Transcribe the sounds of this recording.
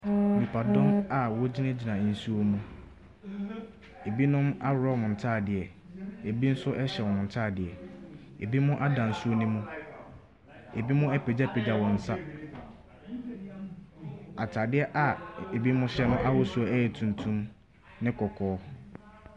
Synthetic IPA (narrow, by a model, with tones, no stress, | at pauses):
mĩ˨pʰa˨dɔ̃˦ma˨wɔ˦d͡ʑi˦nɛ̃˦d͡ʑi˨nã˨n̩˨su˦o˦mũ˦ | e˨bi˦nʊ̃˦ma˦ɾɔ˦mʊ̃˨n̩˨tʰaː˦˨dɪ˨ɛ˨ | e˨bi˦n̩˦sʊ˦ʔɛ˦ɕɛ˨wɔ˨ʊ̃˨n̩˨tʰaː˦˨dɪ˨ɛ˨ | e˨bi˦mʊ̃˦ʔa˦dã˨n̩˨su˦o˦nĩ˦mũ˦ | e˨bi˦mʊ̃˦ɛ˦pʰe˨d͡ʑa˦˨pʰe˨d͡ʑa˨wɔ̃˨n̩˨sa˦ | a˨tʰaː˨dɪ˦ɛ˦ʔa˨e˨bi˦mʊ̃˦ɕɛ˦nʊ̃˦ʔa˦wʊ˦su˦ɔ˨˦ɛ˦jɛ˨tʰũ˨ntʰũ˦m | nɪ̃˦kʰɔ˨kʰɔː˦